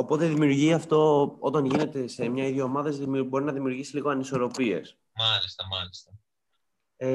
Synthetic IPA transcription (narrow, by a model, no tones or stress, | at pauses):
o̞po̞t̪e̞ðimiuɾʝiɐft̪o̞ot̪ɐnʝine̞t̪e̞se̞mɲɐiðʝoomɐðezðibo̞ɾinɐðimiuɾʝisi̥liɣo̞ɐniso̞ɾo̞pie̞̰s | mɐlist̪ɐmɐlist̪ɐ | e